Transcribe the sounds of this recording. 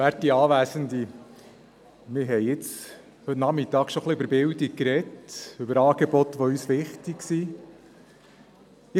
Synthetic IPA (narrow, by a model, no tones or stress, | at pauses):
æːɾt̚iɑːʋæːsənd̪i | mɪɾɦɛɪɪt͡s | hɵtnɑmɪt̪ɑːkʃoχliøbəɾbɪldik̚kɾɛtʉbəɾɑːɡ̥ebɔt̪ʋɔyːsʋɪχtiksi | ɪ